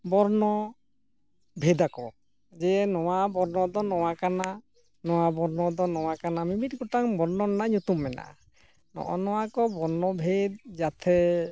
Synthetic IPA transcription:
bɔɾnɔ | bʱed̪akɔ | d͡ʒɛnɔwabɔɾnɔd̪ɔnɔwakana | nɔwabɔɾnɔd̪ɔnɔwakanamimitɡɔʈaŋbɔɾnɔnnaɲut̪umːɛna̰ | nɔ̰ʔɔnɔwakɔbɔɾnɔbʱed̪̚d͡ʒat̪ʰɛ

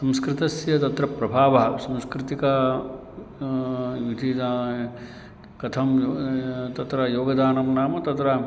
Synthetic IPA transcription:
sɐmskɾɪt̪ɐsjɐt̪ɐt̪ɾɐpɾɐbʱaːʋɐɐsɐmskɾɪt̪ika | jud̪ʱi | kɐt̪ʰɐm | t̪ɐt̪ɾɐjoːɡɐd̪aːnɐmnaːmɐt̪ɐt̪ɾɐ

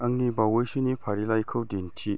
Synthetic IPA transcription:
ɐŋːibawəjsinipʰaɾilajkʰɯwdentʰi

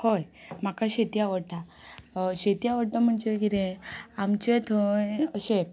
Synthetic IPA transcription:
hojm̤akaɕet̪iaʋəʈa | ɕet̪iaʋəɽʈam̤əɳt͡ɕeɡiɾẽamt͡ɕet̪ʰoəɕe

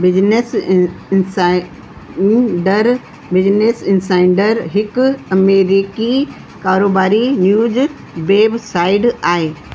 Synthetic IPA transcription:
bɪd͡ʑnes | sa | ɖəɾ | bɪd͡ʑneːsɪ̃nsaːɪɳɖəɾɦɪkɐmeːɾiki | kaːɾoːbaːɾinjuːd͡ʑ | beːbsaːɪɖaːɦeː

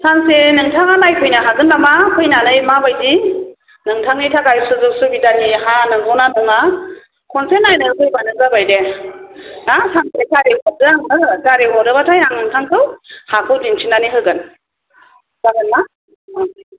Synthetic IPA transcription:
sansenɯŋtʰaŋanajkʰɯjnaɦaɡɯnlamakʰɯjnanɯjmabajdi | nɯŋtʰaŋnitʰakajsɯzɯk̚subidanihanɯŋɡɔwnanɯŋa | kʰɔnsenːajnɯkʰɯjbanɯŋzabajde | nasaŋsetʰaɾeɦɔdɯaŋɯtaɾeɦɔdɯbatʰajaŋɯŋtʰaŋtʰɯwhakʰɯwdint͡ʃʰinaniɦɯɡɯn | z̥aɡɯnma | a

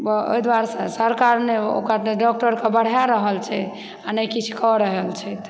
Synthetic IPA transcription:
bɔo̰jd̪waɾsə̃səɾkaɾneo̰kəɾneɖɔk̚ʈəɾkebəɽ̤jaɾəɦəlt͡ʃʰɛ | anəjkit͡ʃʰkɔɾəɦəlt͡ʃʰɛt̪

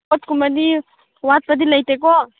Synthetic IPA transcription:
ɔt̪kuməd̪i | wat̪̚pəd̪iləjt̪eko

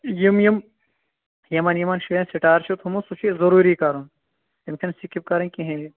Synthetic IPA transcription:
jimjim | jɐmɐnjimɐnʃiẽnsiʈaːɾt͡ʃʰut̪ʰumusut͡ʃʰizɐɾuːɾikɐɾum | jimkʰinsikip̚kɐɾɐ̃nkiɦẽi

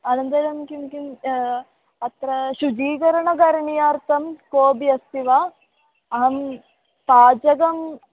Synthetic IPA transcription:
ɐnɐnd̪ɐjlɐmkimkim | ɐt̪ɾɐʃud͡ʒiːɡɐɾɐɳɐɡɐɾɐɳijaːɾt̪ɐmkoːbijɐst̪iʋaː | ɐɦɐm | t̪aːd͡ʒɐɡɐm

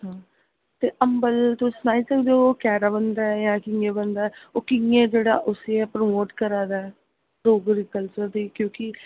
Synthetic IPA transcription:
ɦãː | t̪eːʔəmbəlt̪õːsnaːiːsəkd̪eoːkɛːɾaːbənd̪aːɛjãːkɪŋɡẽːbənd̪aːɛːoːkɪŋɡẽːd͡ʒeːɽa̰ːʔʊseɛːpɾəmoːʈkəɾaːd̪aːɛ | ɾoːɡɾiːkəlt͡ʃəɾd̪iːkjõːkɪ

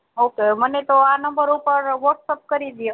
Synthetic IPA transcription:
okemənet̪oanəmbəɾupəɾʋəʈsəp̚kəɾid̪ijo

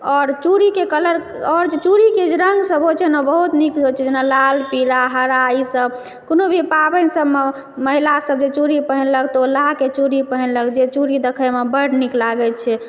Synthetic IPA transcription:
ɔɾt͡ʃuɾikekələɾ | ɔɾd͡ʒet͡ʃuɾiked͡ʒeɾəŋɡsəbot͡ʃʰɛnɔbəɦut̪nikd͡ʒʱot͡ʃʰɛd͡ʒenalalpiɾaɦəɾaisəb | konobʱipabənsəbme | məɦilasəbd͡ʒet͡ʃuɾipəɦinləɡt̪olaket͡ʃuɾipəɦənləɡd͡ʒet͡ʃuɾid̪əkʰəjmebəɽniklaɡɛt͡ʃʰɛ

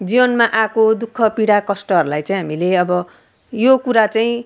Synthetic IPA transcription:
d͡zibʌnmaʔakod̪ukʰːʌpiɽakʌsʈʌɦʌɾulajt͡saĩɦamileʌbʌ | jokuɾat͡saĩ

